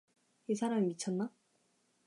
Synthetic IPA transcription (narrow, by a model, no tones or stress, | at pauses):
isʰaɾamimit͡ɕʰʌnːa